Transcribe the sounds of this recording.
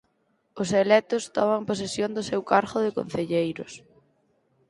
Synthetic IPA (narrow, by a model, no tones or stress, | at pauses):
ʊselɛt̪ʊst̪ɔβaŋpos̬esjond̪ʊsewkaɾɣʊðɪko̰n̟θeʎejɾʊ̰s